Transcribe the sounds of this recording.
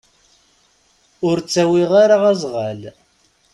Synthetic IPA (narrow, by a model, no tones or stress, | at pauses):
ʊɾt͡sːæwiʁaɾaʁæzˤʁal